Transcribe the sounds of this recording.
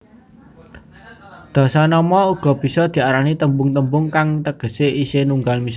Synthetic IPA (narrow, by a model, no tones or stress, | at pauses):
d̪̥a̤sanɔmɔuɡ̥ɔ̤b̥i̤sɔd̪̥i̤aɾanit̪əmbʊŋt̪əmbʊŋkaŋt̪əɡ̥ə̤seʔisenuŋɡalmis